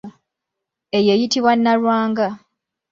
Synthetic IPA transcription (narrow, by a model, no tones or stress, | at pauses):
e̞je̞jitiβwanːalwaːŋɡa